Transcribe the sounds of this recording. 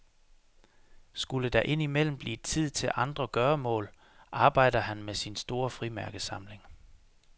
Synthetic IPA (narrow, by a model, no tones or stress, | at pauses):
sɡ̥uləd̥ɑ̈ʔe̝n̰imel̰m̩b̥lḭːedt͡sʰið̰ˠt͡sʰe̝lʔɑ̈nd̥ʁɐɡ̥ɶːɐmɔ̰̽ːl | ʔɑ̈ːb̥ɑ̈ɪ̰d̥ɐɦænmesinsd̥o̝ːɐfʁimæɐɡ̥əsɑ̈mle̝ŋ